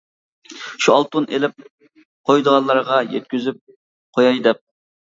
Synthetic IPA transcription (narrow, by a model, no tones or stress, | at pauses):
ʃuɑlˠt̪unʔelɪp̚ | qʰojd̪əʁɑnlːˠɑɾʁɑjɛ̰t̪̚kʲyzyp̚ | qʰojɑjd̪ɛp̚